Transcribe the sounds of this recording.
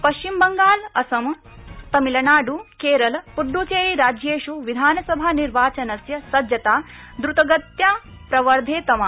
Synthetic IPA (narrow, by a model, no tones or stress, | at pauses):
pɐʃt͡ʃimbɐŋɡaːlɐsɐm | t̪ɐmilɐnaːɖukeːɾɐlpuɖːuːt͡ʃeːɾiːɾaːd͡ʒjeːʂuʋid̪ʱaːnɐsɐbʱaːniɾʋaːt͡ʃɐnɐsjɐsɐd͡ʒjɐt̪aː | d̪ɾut̪ɐɡɐt̪jaː | pɾɐʋɐɾd̪ʱeːt̪ɐmaː